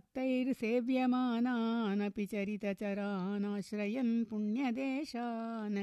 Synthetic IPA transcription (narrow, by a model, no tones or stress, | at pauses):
t̪ːɐjɾseːʋjɐmaːnaːnɐpit͡ʃɐɾit̪ɐt͡ʃɐɾaːnaːʃɾɐjɐnpuɳjɐd̪eːʃaːnɐ